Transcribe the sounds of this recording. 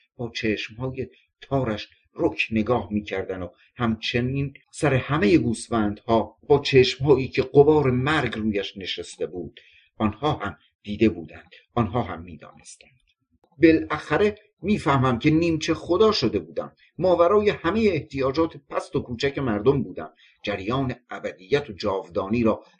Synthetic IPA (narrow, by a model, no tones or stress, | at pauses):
b̥ɒːt͡ʃʰeːʃmhɒːje̞ | t̪ʰɒːɾæʃ | rokʰne̞ɡɒːhmiːcʰæɾd̪ænd̪o | hæmt͡ʃʰeniːnsæɾe̞hæme̞je̞ɡuːsfænd̪̥hɒːb̥ɒːt͡ʃʰeːʃmhɒːiːcʰe̞ɡobɒːɾe̞mæɾɡruːjæʃne̞ʃest̪e̞buːd̪̥ | ɒːnhɒːhæm | d̪̥iːd̪e̞buːd̪ænd̪̥ | ɒːnɦɒːɦæmːiːd̪ɒ̰ːne̞st̪ænd̪̥ | be̞læxæɾe̞ | miːfæhmæmcʰe̞niːmt͡ʃʰe̞χod̪ɒːʃod̪e̞buːd̪æ̰mː | ɒːbæɾɒːje̞hæme̞jeːht̪ʰijɒːd͡ʒɒːt̪ʰepʰæst̪okʰuːt͡ʃʰæce̞mæɾd̪ombuːd̪æ̰m | d͡ʒæɾjɒːne̞ʔæbæd̪ijːæt̪ʰod͡ʒɒːvd̪ɒːniːɾɒː